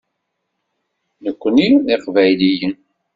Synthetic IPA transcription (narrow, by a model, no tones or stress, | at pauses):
nəkʷːəniðeqvæjlijən